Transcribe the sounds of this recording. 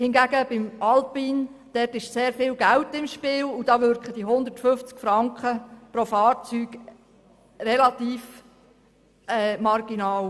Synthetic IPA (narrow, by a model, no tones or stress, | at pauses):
hɪnɡæɡəbɪmɑlpind̥ɛrtɪʃseːɾfɪːlɡæltɪmʃpɪːlud̥ɑːʋʏɾkχəd̥iɦʊnd̪ətfʏft͡skfɾɑŋkχəpɾofɑːrt͡syːɡ̥ | relɑtiːf | ɛːmɑrɡ̥inɑːl